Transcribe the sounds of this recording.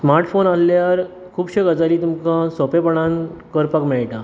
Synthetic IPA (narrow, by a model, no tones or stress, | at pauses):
smaɾʈfonalljaɾ | kʰuːbɕeɡəd͡zaliːt̪umkãsɔpepəɳãnkəɾpəkmɛɭʈa